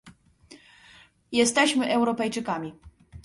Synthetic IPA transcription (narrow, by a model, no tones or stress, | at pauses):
jɛst̪ɛɕmɘʔɛwɾɔpɛjt͡ʂɘkamʲi